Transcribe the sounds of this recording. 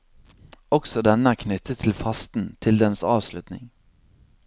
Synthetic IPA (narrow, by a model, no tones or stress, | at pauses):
ɔksɔd̪ɛnəæːɾkʰnʏt̪ʰːət̪ʰːɪlfɑst̪n̩t̪ʰɪld̪ɛnsɑːʋslʉt̪nɪ̰ŋ